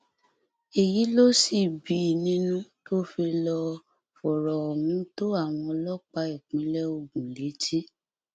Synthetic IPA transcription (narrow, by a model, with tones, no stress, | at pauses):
e˨ji˨˦lo˦si˦˨bi˨˦˨nĩ˦nũ˦to˦fi˧lɔ˧ | fɔ˨ɾɔ˨ɔ˨nĩ˨˦to˦a˦˨w̃ɔ̃˧lɔ˦k͡pa˧i˦˨k͡pĩ˨˦lɛ˦o˧ɡũ˨le˨˦ti˦